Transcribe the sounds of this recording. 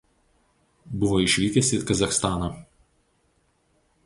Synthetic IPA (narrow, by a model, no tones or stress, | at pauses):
bʊʋoːɪʃʲʋʲiːkʲɛsʲɪkɐzɐxst̪ɑːnɐ